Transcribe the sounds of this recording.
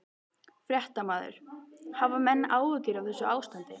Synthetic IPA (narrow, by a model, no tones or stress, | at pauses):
fɾjɛht̪amaːðʏ̰ɾ̥havamɛnːaːwvɪcɪɾawθɛsːʏʔaːwst̪ant̪ɪ